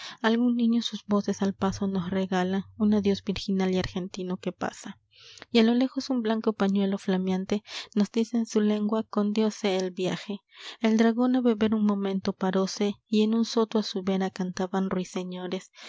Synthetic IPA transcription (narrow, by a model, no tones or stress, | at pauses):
alɣunːiɲosusbo̞sesalpasono̞sreɣalaunaðjo̞sbiɾxinaliaɾxe̞nt̪ino̞kepa̰sa | ialo̞le̞xo̞sumblaŋko̞paɲwe̞lo̞flamjant̪e̞no̞zd̪iseːnsule̞ŋɡwakond̪jo̞seːlbjaxeːld̪ɾaɣo̞naβeβe̞ɾunmo̞mẽ̞nt̪o̞paɾo̞seienunso̞t̪uasuβe̞ɾakant̪aβanrwiseɲoɾes